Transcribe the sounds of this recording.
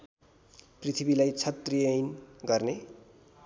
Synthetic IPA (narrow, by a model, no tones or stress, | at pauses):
prit̪ʰibilajt͡sʰʌt̪rijʌjnɡʌrne